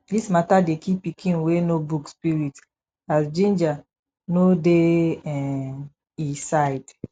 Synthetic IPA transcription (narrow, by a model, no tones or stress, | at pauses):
dismatadekipːikʰĩnwenobukspiɹit | asd͡ʒĩnd͡ʒa | nodeɛ | isaɪd